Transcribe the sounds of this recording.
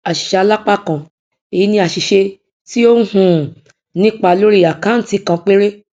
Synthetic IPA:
a˨ʃi̥˨ʃa˧la˦k͡pa˦˨kã˧˨ | i˨i˦nĩ˧˦a˨ʃi˨ʃe˧ | ti˦o˦hũ˦˨ | nĩ˦k͡pa˦˨lo˦ɾi˦ja˨kã˨˦n̩˨ti˧kã˧k͡pe˦ɾe˦

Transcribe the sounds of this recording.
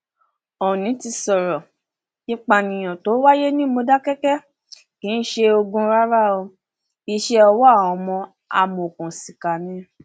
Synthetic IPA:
ɔ˨nĩ˨˦ti˧sɔ˨ɾɔ˨ | i˧k͡pa˨nĩ˨j̃ɔ̃˨to˨˦wa˦je˦nĩ˦mo˧da˦kɛ˦kɛ˦ | kĩ˨˦n̩˦ʃe˧o˧ɡũ˧ɾa˦ɾa˦o˧ | i˧ʃe˧˦ɔ˧wɔ˦a˦˨wɔ̃˨˧mɔ̃˧ | a̰˨mo˨kũ˨si˨ka˨nĩ˨˧˦

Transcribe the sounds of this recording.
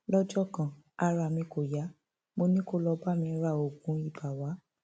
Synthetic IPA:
lɔ˦d͡ʒɔ˦˨kã˨ | a˧ɾa˧˨mĩ˧ko˨ja˨˦ | mo˧nĩ˦ko˦lɔ˧ba˦˨mĩ˧˦ɾa˦˨o˨ɡũ˨˦i˦˨ba˨wa˨˦

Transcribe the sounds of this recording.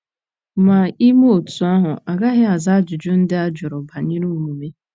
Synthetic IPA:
ma˨i˦mo˦o˨tu˨a˦ɦʊ˨ʔa˨ɡa˦ɦɪ˦a˨za˦d͡ʒʊ˨d͡ʒʊ˦n̩˦dɪ˦a˦d͡ʒʊ˨ɾʊ˨ba˨ɲi˦ɾu˦mu˨me˦

